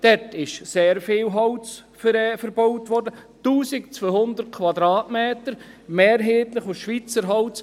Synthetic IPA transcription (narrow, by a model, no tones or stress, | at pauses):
d̥ɛtɪʃseːɾfɪːwɦɑwt͡sfɛfəɾbowtʋɔɾdətuːsɪkt͡sʋøhʊnd̪əɾt̚kʰʋɑdɾaːtmeːtəɾmeːɾɦeːtlɪχʊʃʋit͡səɾɦɑwt͡s